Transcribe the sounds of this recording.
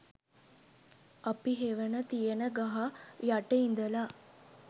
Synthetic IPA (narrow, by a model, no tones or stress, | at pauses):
ɐpiɦeʋənət̪ijənəɡaɦajaʈeind̪əla